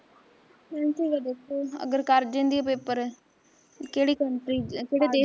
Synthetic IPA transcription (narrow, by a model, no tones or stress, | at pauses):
mɛ̃ːnsiːʋəd̪ekʰoːə̰ɡəɾkəɾd͡ʒɪ̃nd̪iːɛpepəɾ | keːɽiːkəɳʈɾiːkeːɽeːd̪eː